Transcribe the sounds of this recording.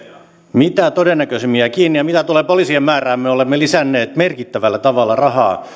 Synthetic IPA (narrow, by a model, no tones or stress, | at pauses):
mit̪æt̪odenːækøsemːiækiːnːijɑmit̪æt̪uleːpolisiemmæːræːmmeolemːelisænːeːt̪merkit̪ːæʋælːæt̪ɑʋɑlːɑrɑhɑ̰ː